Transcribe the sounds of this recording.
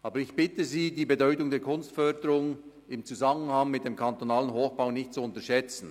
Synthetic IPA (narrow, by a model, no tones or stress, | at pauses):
ʔɑːbəɾɪçb̥ɪtəziːdiːbedɔʏtʊŋdeːɐkʰʊnstfœɐdəɾʊŋ | ɪmt͡suzamənhaŋmɪt̚d̥eːmkʰantonaːlənɦoːxb̥aʊnɪçtt͡suʊntəʃɛt͡sn̩